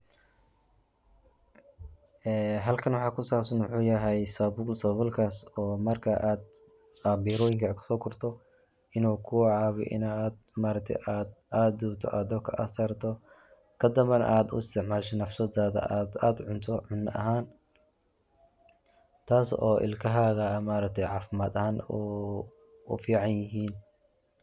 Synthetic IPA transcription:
ɛːɦɐlkʰɐnwɑħɑːkʰʊsaːbsɐnwʊħuːjɐɦɛjsɐbʊlsɐβɔlkʰasɔːmɐrkʰɐʔaːd̪̚ | ɐbiːɾɔːjɪŋkʰɐkʰɐ̥sɔːkʰʊrt̪ʰɔ | ɪnuːkʰʊwʕɑːβɔ̰ʔɪ̰nad̪maːɾɐk̚t̪ʰɛ̰jʔaːd̪ʔaːd̪duːbt̪ʰɔ̰ʔaːd̪ɐkʰɐ̰ʔɐsɐɾt̪ʰɔ | kʰɐd̪ɐβɐnaːd̪ʊ̰ɪst̪ʰɪʕmaːlʃɛnɐfsɐd̪aːðɐ̰ʔaːd̪aːd̪ʕʊnt̪ʰɔʕʊnɐ̰ɦaːn | t̪ʰaːsɔ̰ːʔɪ̰lkʰɐɦaːɣɐmaːɾɐk̚t̪ʰɛjʕɑːfɪmaːd̪ɐhaːnu | ʊ̰fiːʕɑnjɪɦiːn

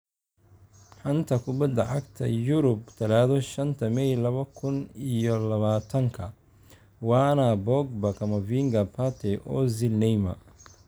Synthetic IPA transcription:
ħɐnt̪ʰɐkʰʊbɐd̪ːɐʕɑɡt̪ʰɐ̰jʊɾʊb̚t̪ʰɐlaːðɔʃɐnt̪ʰɐmɛjlɐβɐkʰʊnijɔlɐβaːt̪ʰɐŋkʰɐ | wɑːnɐbɔɡ̚bɐkʰɐmɐviŋɡɐpʰɐt̪ʰɛʔɔːzɪlnɛjmɐ̰

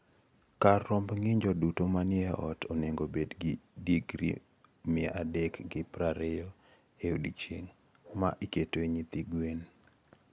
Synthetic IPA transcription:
karːɔmbŋɪɲd͡ʒɔdutomanɪɛʔɔtʰoneŋɡobedɡɪdiɡɾḭ | mɪɛʔadɛkɡɪpɾaɾejɔ | eodit͡ʃeŋ | maʔiketweɲit̪iɡwen

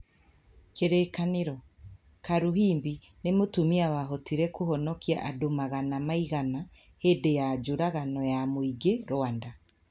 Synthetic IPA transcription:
keɾeːkaneɾɔ | kaɾuɦiːmbi | nemotumiawaɦɔtiɾɛkohɔnɔkia̰ʔadomaɣanamaiɣana | hedejad͡ʒoɾaɣanɔjamoiɡeɾoanda

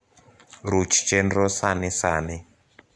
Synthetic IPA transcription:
ɾut͡ʃi̥t͡ʃendrosanisani

